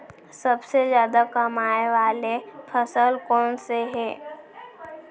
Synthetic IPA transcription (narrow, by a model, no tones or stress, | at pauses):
səbsezjaːd̪akɐmaːeʋaːlepʰəsəlkɔːnseɦɛː